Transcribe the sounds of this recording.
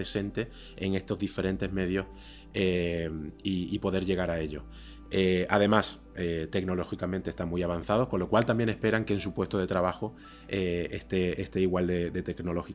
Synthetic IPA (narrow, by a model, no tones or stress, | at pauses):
ɾese̞nt̪e̞ | eŋe̞st̪o̞zðife̞ɾẽ̞nt̪e̞ɦme̞ð̞jo̞h | emiːpo̞ðe̞ɾʎe̞ɣ̞aɾae̞ʎo̞̰ | eaðe̞mas | et̪e̞kno̞lo̞xikamẽnt̪est̪aŋmujaβ̞an̟θað̞o̞hko̞nlo̞kwalt̪ambje̞ne̞hpe̞ɾaŋkeːnsupwe̞st̪oðe̞t̪ɾaβ̞axo | eḛst̪e̞est̪e̞iɣwald̪e̞d̪e̞t̪e̞kno̞lo̞xi